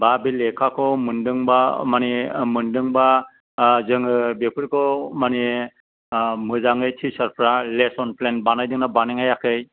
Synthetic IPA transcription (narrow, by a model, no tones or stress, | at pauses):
babilekʰakʰɔmɯndɯŋbamanimɯndɯŋba | zɯŋɯbepʰɯɾkʰɔmani | mɯzaŋɯjtʰisaɾpʰɾalesɔnpʰlenbanajdɯŋnabaneŋajakʰɯj